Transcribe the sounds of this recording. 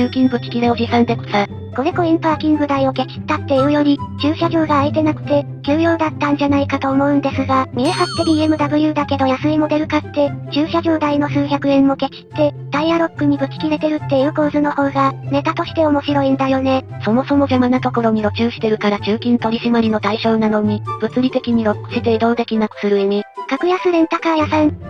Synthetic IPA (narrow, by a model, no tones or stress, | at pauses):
ɨːkʲĩŋbɯ̟kʲi̥kʲiɾeo̞ʑisãnd̪e̞ko̥sa | ko̞ɾe̞ko̞ĩmpakʲĩŋɡɯ̟d̪aio̞ke̞kʲi̥t̪ːat̪ːe̞iɯ̟jo̞ɾʲit͡ɕɨːɕaʑo̞ːɡaːit̪e̞nakɯ̟̥t̪e̞ | kʲɨːjo̞ːd̪at̪ːãɲ̟d͡ʑanaikat̪o̞ːmo̞ɯ̟̃nd̪e̞sɨɡamʲiehat̪ːe̞ɾʲiemɯ̟d̪abɯ̟jɯːd̪ake̞d̪o̞jasɨimo̞d̪e̞ɾɯ̟kat̪ːe̞t͡ɕɨːɕaʑo̞ːd̪aino̞sɨːçʲakɯ̟ẽ̞mːo̞ke̞kʲi̥t̪ːe̞d̪̥aiaɾo̞kːɯ̟ɲ̟ibɯ̟kʲi̥kʲiɾe̞t̪e̞ɾɯ̟t̪ːe̞iɯ̟ko̞ːzɨno̞ho̞ːɡane̞t̪at̪o̞ɕi̥t̪e̞o̞mo̞ɕiɾo̞ĩnd̪ajo̞ne̞so̞mo̞so̞mo̞ʑamanat̪o̞ko̞ɾo̞ɲ̟iɾo̞t͡ɕɨːɕi̥t̪e̞ɾɯ̟kaɾat͡ɕɨːkʲĩnt̪o̞ɾʲiɕimaɾʲino̞t̪aiɕo̞ːnano̞ɲ̟ib̥ɯ̟t͡sɨɾʲit̪e̞kʲiɲ̟iɾo̞kːɯ̟̥ɕit̪e̞d̪o̞ːd̪e̞kʲinakɯ̟̥sɨɾɯ̟emʲikakɯ̟jasɨɾẽ̞nt̪akajasã